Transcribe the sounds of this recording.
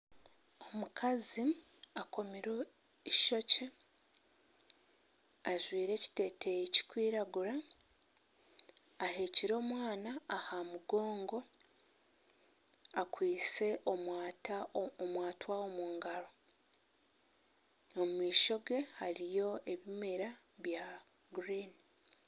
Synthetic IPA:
o̞mukʰazi | ako̞miɾo̞ | iʃo̞ce̞ | aʒwiːɾe̞ːci̥te̞ːte̞jeci̥kwiːɾaɡuɾa | he̞ːciɾo̞ːmwaːnaːhamuɡo̞ːŋɡo̞ | akwiːt͡se̞ʔoatmwaːtwao̞muːŋɡaɾo̞ | omumiːʃo̞ɡe̞haɾijo̞ʔe̞βimiɾa | βja | ɡɾiːni

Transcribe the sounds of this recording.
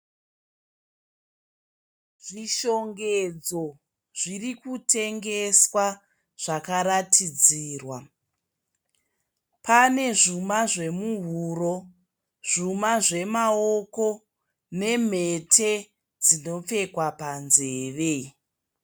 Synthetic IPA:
ʐiʃo̞ŋɡed͡zo̞ | ʐirikute̞ŋɡe̞swa | ʐ̥akaɾatʰid͡ziːrwa | pʰane̞ʐumaʐe̞muɦuɾo̞ | ʐ̥umaʐe̞maoko̞ | ne̞m̤e̞tʰe | d͡zino̞p͡fe̞kwapanzeːʋe

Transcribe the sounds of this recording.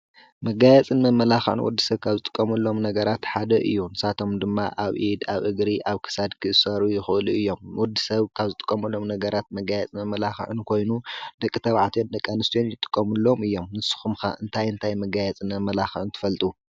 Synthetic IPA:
mɐɡajɛt͡sʼɨnmɐmːɐlaxʕɨ̰nwɔ̰d̪ːisɐβkʰaβzɨt̪ʼɨ̥kʼːɐmɐlːo̞mnɐɡɐɾat̪ħad̪ɐʔɨjːunɨsat̪ʰo̞md̪ɨmːa̰ʔaβʔid̪aβʔɨɡɾiʔaβkʰɨ̥sad̪kʰɨʔɨsɐɾujɪxɨʔɨluɨjːo̞mwɔd̪ːisɐβkʰaβzɨt̪ʼɨ̥kʼːɐmɐlːo̞mnɐɡɐɾat̪̚mɐɡajɛt͡sʼmɐmːɐlaxʕɨ̰nkʰo̞jnud̪̥ɐkʼːɨt̪ʰɐβʕat̪ʰond̪ɐkʼːanɨst̪ʰijonjɪt̪ʼɨ̥kʼːɐmulːo̞mɨjːo̞mnɨsɨ̥xumxaʔɨnt̪ʰajɨnt̪ʰajmɐɡajɛt͡sʼɨnmɐmːɐlaxʕɨnt̪ʰɨ̥fɐlt̪ʼu

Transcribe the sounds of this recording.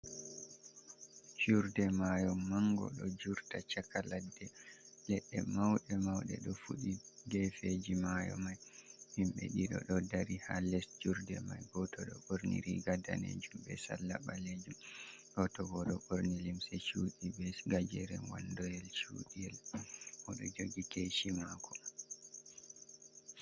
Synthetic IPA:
t͡ʃuɾdɛmajɔmːaŋɡɔ̰ɗɔd͡ʒuɾtat͡ʃakaladːɛlɛɗːɛmawɗɛmawɗɛ̰ɗɔfuɗiɡɛfed͡ʒimajɔ̰majhimɓɛ̰ɗiɗɔ̰ɗɔdaɾihalɛsd͡ʒuɾdɛmajɡɔtɔɗɔʔoɾnḭɾiɡada̰nḛd͡ʒumɓɛsalːaɓaled͡ʒumʔɔtɔɡɔɗɔʔoɾnilimsɛt͡ʃuːɗibɛsɡad͡ʒɛɾɛnwandɔjɛlt͡ʃṵɗiɛlʔɔɗɔd͡ʒoɡikeʃimakʰɔ

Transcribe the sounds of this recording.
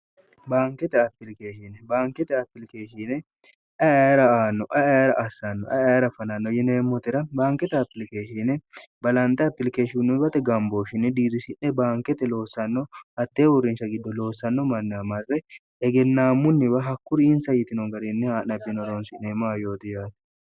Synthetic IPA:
baːŋkɛt̪ɛɐpːɪlke̞ːʃinɛbaːŋkɛt̪ɛɐpːɪlkeːʃiːnɛ | ʔɐɐjɐɾɐaːnːɔʔɐɐɾɐʔɐsːanːɔʔɐɐjɾɐfɐnɐnːɔjɛneːmːɔt̪ɪɾɐbaːŋkɛt̪ɛɐpːɪlke̞ːʃiːnɛbɐlɐnt̪ʼɛɐpːɪlkeːʃɪʊnːʊbɐt̪ɛɡɐmboːʃɪnːɛd̪iːɾɪsɪnːɛbaːŋkɛt̪ɛlo̞ːsːɐnːɔɐt̪ːeːʊrːɪnʃɐɡɪd̪ːɔlo̞ːsːɐnːɔmɐnːɪɐmɐrːɛ | ɛɡɛnːaːmːʊnːɪbɐɦɐkːʊɾɪnsɐjɪt̪ɪnɔɡɐɾɪnːɛhaːnɐbːɪnɔɾoːnsɪneːmaːjo̞ːt̪ɪjaːt̪ɪ̥

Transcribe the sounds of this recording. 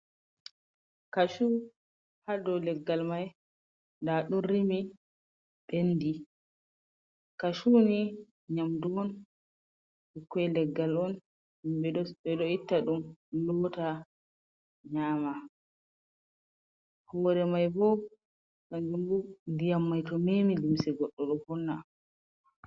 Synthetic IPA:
kaʃu | hadɔlɛɡːalmaj | ndaɗurimi | ɓendi | kaʃuni | ɲamdumɔn | ikːɛlɛɡːalɔn | imbɛɛɗɔitːaɗumlɔta | ɲaːma | hɔːɾɛmajbɔ | kand͡ʒumbundijamːajtɔmemilimsɛɡɔɗːɔɗɔhɔnːa

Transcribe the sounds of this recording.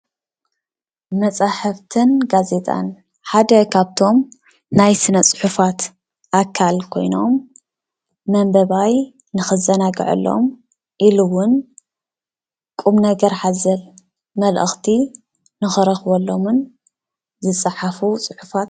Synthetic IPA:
mɐt͡sʼaħɨft̪ʰɨnɡaze̞t̪ʼa̰n | ħad̪ɐkʰaβt̪ʰo̞m | najsɨnɐt͡sʼɨ̥ħufat̪ | ʔakʰːalkʰo̞̰jno̞m | ɐmbɐβaj | nɨxɨzɐnaɡɐ̰ʕɨ̰lːo̞̰m | ʔilɨwʊn | kʼumnɐɡɐɾħazɐl | mɐlʔɨxt̪ʰi | nɨxɨɾɐxwolːo̞mɨn | zɨsʼaħafusʼɨħu̥fat̪

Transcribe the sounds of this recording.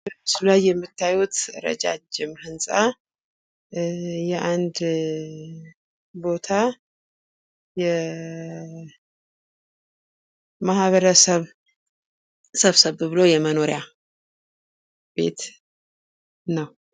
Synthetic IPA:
bəsulajːɛmːɨt̪ʰːajut̪ɾə̰d͡ʒa̰d͡ʒɪmhɨnsʼa | jɛʔand̪ | bo̞t̪ʰa | jɛ | mahβəɾəsəβ | səβsəβbɨlojɛməno̞ɾja | b̥e̞̰t̪ | nəw

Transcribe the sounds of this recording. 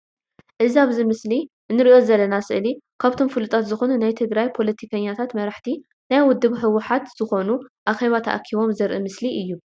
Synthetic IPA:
ʔɨziaβzimɨsliʔɨnːɨɾio̞zɐlːɐnasɨ̰ʔlikʰaβt̪ʰo̞mfɨlut̪ʼat̪zɨxonunajt̪ʰɨɡɾajpʰo̞lɐt̪ʰikʰɐɲːat̪ʰat̪mɐɾaħt̪ʰi | najwʊd̪ːɨβħɨwːʊħat̪z̥ɨxo̞nuʔaxe̞βat̪ʰɐ̰ʔa̰kʰiβo̞mzɐɾʔɨmɨsliʔɨjːu

